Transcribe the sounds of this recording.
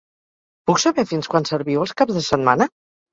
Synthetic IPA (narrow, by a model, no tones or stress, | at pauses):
puksəβɛfinskwansəɾβiwəlˠskabzðəsət̪̚manə